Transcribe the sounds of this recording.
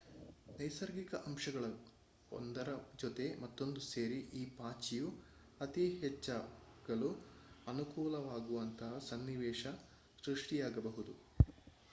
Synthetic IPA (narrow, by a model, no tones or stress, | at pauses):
nɐjsɐɾɡikɐʔɐmʃɐɡɐɭɐ | o̰nd̪ɐɾɐd͡ʒɔt̪e̞mɐt̪ːo̞nd̪use̞ːɾiʔiːpaːt͡ʃiju | ɐt̪iɦɛt͡ʃːɐɡ̥ɐɭuɐnukuːlɐʋaːɡuʋɐnt̪ʰɐɦɐsɐnːiʋɛːʃɐ | sɾuʂʈijaːɡɐbɐɦud̪u